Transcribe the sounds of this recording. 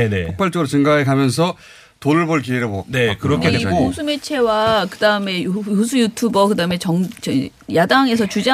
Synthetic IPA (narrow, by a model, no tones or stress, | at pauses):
eneokp͈aɭt͡ɕ͈ʌɡɯɾot͡ɕɯŋɡaaekamjʌns̬ʰʌ | toɾɯɭboɭɡiɾɯbonekɯɾʌkʰeesʰumet͡ɕʰe̞wakɯdaɯme̞jusʰujutʰubʌkɯdaɯme̞t͡ɕʌŋt͡ɕʌ | jadaŋe̞s̬ʰʌt͡ɕud͡ʑa